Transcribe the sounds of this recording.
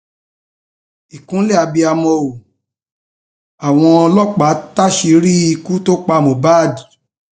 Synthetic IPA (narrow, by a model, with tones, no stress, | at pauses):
i˨kũ˨˦lɛ˦˨a˧bi˧a˧mɔ̃˧u˨ | a˨w̃ɔ̃˧ɔ˧lɔ˦k͡pa˨˦ta˦ʃi˧˦ɾi˦i˧ku˦to˦k͡pa˧mõ˨baː˦˨di˨